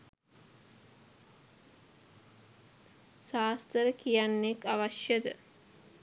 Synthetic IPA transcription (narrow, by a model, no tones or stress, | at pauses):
ʃaːst̪əɾəkijanːekaʋaʃjəd̪ə